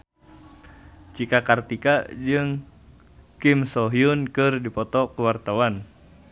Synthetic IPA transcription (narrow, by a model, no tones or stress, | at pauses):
t͡ʃikakart̪ikad͡ʒɨŋ | kimsɔɦiunkɨrdipɔt̪ɔkəwart̪awan